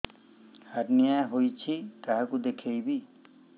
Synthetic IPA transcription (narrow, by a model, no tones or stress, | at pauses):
haɾnijaeɦojt͡ʃʰit̪aɦakud̪ekʰejbi